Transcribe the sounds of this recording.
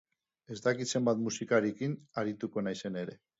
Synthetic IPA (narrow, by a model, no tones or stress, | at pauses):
e̞zd̪akit̪se̞mbat̪musikaɾekinaɾit̪uko̞najse̞ne̞ɾe̞